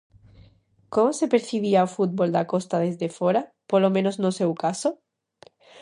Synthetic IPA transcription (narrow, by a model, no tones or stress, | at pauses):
komosepeɾθiβ̞iaofut̪̚bold̪akost̪aðezðefoɾa | polomẽnoznosewkaso